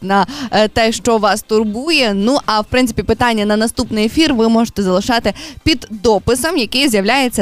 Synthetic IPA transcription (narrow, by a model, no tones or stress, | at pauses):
nɐt̪ɛʃt͡ʃɔʋɑst̪ʊrbujɛnuʔɐwpɾɪnsɪ̥pʲipɪt̪ɑnʲːɐnɐnɐst̪upnɪjefʲirʋɪmɔʒe̥t̪ɛzɐlˠɪʃɑt̪ɪpʲid̪ːɔpɪsɐmjɐkɪjzʲjɐʋlʲajet͡sʲːɐ